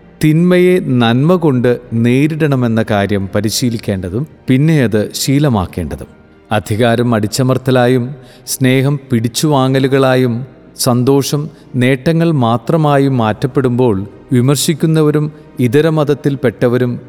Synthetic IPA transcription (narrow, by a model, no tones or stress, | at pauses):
t̪inmɐje̞nɐnmɐɣo̞ɳɖɨneːɾiɽɐɳɐme̞nːɐkaːɾjɐmpɐɾiɕiːlikʲːe̞ːɳɖɐðumpinːe̞jɐðɨɕiːlɐma̰ːkːe̞ːɳɖɐðum | ɐd̪ʱiɣaːɾɐmɐɽit͡ɕːɐmɐrt̪ʰɐlaːjum | sne̞ːɦɐmpiɽit͡ɕːuʋaːŋɐluɣɐɭaːjum | sɐnd̪o̞ːʂɐm | ne̞ːʈːɐŋːɐɭmaːt̪rɐmaːjumːaːtːɐpːe̞ɽumbo̞ːɭ | ʋimɐrɕikʲːunːɐʋɐɾum | iðɐɾɐmɐðɐt̪ːilpe̞ʈːɐʋɐɾum